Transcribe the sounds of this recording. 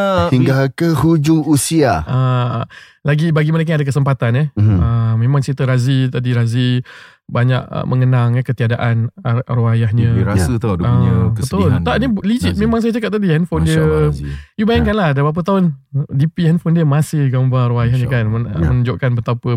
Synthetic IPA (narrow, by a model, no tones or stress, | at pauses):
əiŋɡalkəhud͡ʒuŋusiaə | laɡibaɡiməɾek̬aɲadakəsəmpat̪anɛhəmẽmãŋt͡ʃit̪əɾazit̪adiɾazi | baɲa̰ʔə̰mʔəŋənaŋɛhkət̪iadaʔanɾuajaɦɲə̃ɾasət̪odəɲəbəət̪ʊlnt̪aʔnilid͡ʒit̪̚mẽmaŋs̬ajat͡ʃakap̚t̪adihɛnfondiə | jubajankanlahdabap̬ət̪̬aʊndipiɛnfondiəmasɪhɡambaɾuajahɲə̃kanə̰mənuɲd͡ʒʊʔkanbət̪apə